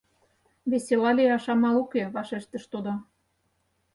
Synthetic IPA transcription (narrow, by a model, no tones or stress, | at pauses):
βeselɑlʲeɑʃɑmɑlukeβɑʃeʃt̪ə̆ʃt̪od̪ɑ